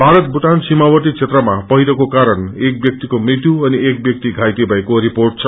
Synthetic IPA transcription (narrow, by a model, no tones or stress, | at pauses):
bʱaɾʌt̪̚buʈansimawʌt̪it͡sʰet̪rʌmapʌɦiɾʌkokaɾʌnek̚bjʌk̚t̪ikomrit̪juʌniek̚bjʌk̚t̪iɡʱajt̪ebʱʌekoɾiporʈ̚t͡sʰʌ